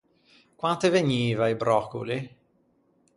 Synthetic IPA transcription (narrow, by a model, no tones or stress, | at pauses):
kwant̪eveɲiːvaibɾɔkṵli